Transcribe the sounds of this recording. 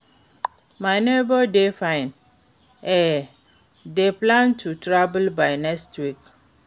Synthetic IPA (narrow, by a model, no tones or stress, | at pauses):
majnebɔdefãjn | ɛ | deplãntʰutɹabəlbajnɛkstwik